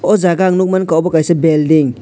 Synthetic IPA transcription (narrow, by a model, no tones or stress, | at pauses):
ɔzaɡaŋnuk̚mankawbɔkajsebeldiŋ